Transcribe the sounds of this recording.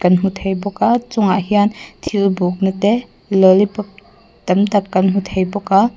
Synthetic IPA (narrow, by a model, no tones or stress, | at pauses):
kɐnɦut̪ʰejbɔkat͡sʊŋaʔhiant̪ʰilbuk̚nat̪ɛ | lɔlip̚ | t̪ɐmt̪ɐp̚kːɐnɦut̪ʰejbɔka